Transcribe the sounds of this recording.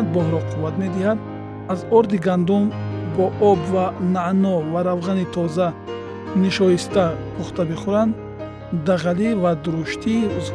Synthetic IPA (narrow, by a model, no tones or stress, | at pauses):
d̪̚bɔɦɾɔqʰuvat̪me̞d̪ihad̪ | azɔɾd̪iɡand̪umbɔʔɔbvanaʔnɔvaɾavʁanit̪ʰɔza | niʃɔjist̪akʰuχt̪ʰabiχuɾand̪ː | aʁalivad̪uɾuʃt̪ʰiz